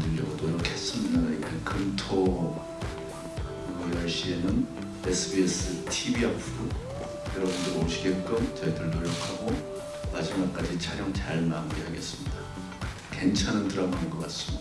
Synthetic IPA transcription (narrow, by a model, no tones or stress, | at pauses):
nɯʎːʌɡodoɾʌkʰes͈ɯmianaitekɯmtʰo | ɡʌaɭɕ͈ie̞nɯn | esʰɯbies͈ɯtʰibiapʰu | jʌɾʌbundɯoŋɕʰiɡek͈ɯmt͡ɕʌidɯɯɭnoɾjʌkʰaɡo | mad͡ʑimak̚k͈ad͡ʑit͡ɕʰaɾjʌŋt͡ɕaɭmamɡeɦaɡe̞s͈ɯmɲida | ke̞nt͡ɕʰanantʰɯɾamanɡʌk͈as͈ɯmida